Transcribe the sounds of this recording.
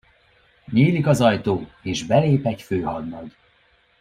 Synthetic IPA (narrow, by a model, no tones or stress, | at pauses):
ɲiːlikɒzɒjt̪oːeːʒbɛleːpɛɟføːhɒd̪nɒd̪